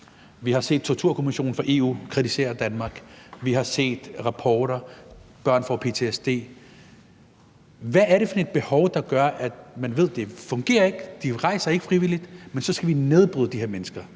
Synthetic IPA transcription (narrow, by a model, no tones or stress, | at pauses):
ʋihɑ̈se̝̰ːd̥̚t͡sʰo̝ɐt͡sʰuɐ̰kʰo̝miɕo̝̰ːn̩fʁɑ̈ʔe̝ːṵːkʰʁid̥ise̝̰ːɐd̥ænmɑ̈ːɡ̥ʋiɦɑ̈se̝̰ːd̥ʁɑ̈pʰɒːɾɐb̥ɶɐ̰nfɒpʰe̝t͡sʰe̝esd̥e̝̰ː | ʋæːɐɾe̝fɒ̽ded̥̚b̥e̝hɒ̽ʊd̥ɑ̈ɡ̥ɶɐʔæd̥mænʋe̝ð̰ˠd̥e̝fɔ̽ŋɡ̥e̝̰ːɐe̝ɡ̥d̥iʁɑ̈ɪsɑe̝ɡ̥əfʁiʋilid̥mensɒ̽sɡ̥æʋine̝ðˠb̥ʁyðˠd̥iheɐmenəsɡ̥ɐ